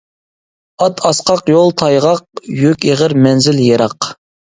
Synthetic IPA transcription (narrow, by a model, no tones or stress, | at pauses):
ɑt̪ʰɑsqʰɑqjolˠt̪ʰɑjʁɑq̚jykʲeʁəɾmɛnzɪljeɾɑq